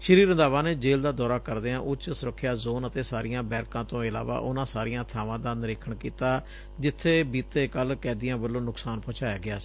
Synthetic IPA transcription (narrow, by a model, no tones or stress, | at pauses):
ʃəɾiːɾənd̪aːʋãːneːd͡ʒeːld̪aːd̪ɔːɾaːkəɾd̪eːãːʔʊt͡ʃsʊɾəkʰːɪjaːzoːnət̪eːsaːɾɪjãːbɛːɾkãːt̪õːɪla̰ːʋa̰ːʔʊnãːsaːɾɪjãːt̪ʰaːʋãːd̪anɾeːkʰəɳkiːt̪aː | d͡ʒɪt̪ʰːeːbiːt̪eːkəlkɛːd̪ɪjãːbəlːõːnʊksaːnpɔ̃ːt͡ʃaːjaːɡɪaːs